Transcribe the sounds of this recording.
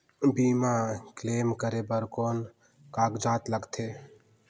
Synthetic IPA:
biːmakleːmkəɾebəɾkoːn | kaːɡd͡ʒaːt̪ləɡt̪ʰeː

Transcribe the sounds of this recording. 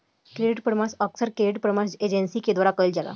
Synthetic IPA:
kɾeɖiʈ̚pəɾmasəksəɾkɾeɖiʈ̚pəɾmased͡ʑənsiːked̪ʋaɾakəjld͡ʑala̰

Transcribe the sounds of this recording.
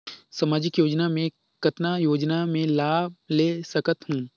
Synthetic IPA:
sɐmaːd͡ʒɪkjoːd͡ʒnamẽ | kɐt̪najoːd͡ʒnamẽlaːbleːsɐkət̪ɦũː

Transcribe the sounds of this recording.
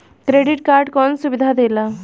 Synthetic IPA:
kɾeɖiʈ̚kaɾɖkɔnsubid̪ʱad̪ela

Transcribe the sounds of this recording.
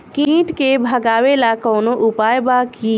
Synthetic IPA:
kĩːʈkebʱɐɡaːʋelakɔːnõʔʊpaːjbaːki

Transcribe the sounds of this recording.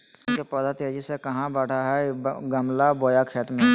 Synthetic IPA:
kepəd̪at̪ed͡ʒisekɐɦãbɛːɽ̤aɦɛɡəmlaboːjakʰeːt̪mẽ

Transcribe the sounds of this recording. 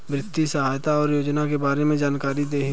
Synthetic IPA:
bɾɪt̪ːisəɦaːjt̪aɔːɾjoːd͡ʒnakebaːɾemẽd͡ʒaːnkaːɾid̪eːɦ

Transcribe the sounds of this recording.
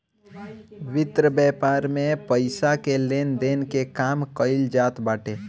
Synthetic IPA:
ʋɪt̪ɾəbɛpaːɾmepəɪsakelend̪enkekamkəɪld͡ʒaːt̪baːʈe

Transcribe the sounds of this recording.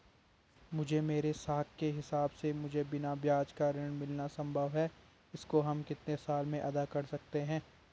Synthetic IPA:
mʊd͡ʒʱemeːɾesaːkkːeɦɪsaːbsemʊd͡ʒʱebɪnabjaːd͡ʒkaɾɪɽ̃mɪlnasɐ̃mbʱəʋɦɛ | ɪskoɦɐmkɪt̪nesaːlmẽʔɐd̪akɐɾsɐkt̪eɦɛ̃ː

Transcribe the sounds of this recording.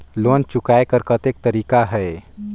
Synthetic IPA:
loːnt͡ʃʊkaːekəɾkət̪ek̚t̪əɾiːkaɦɛ

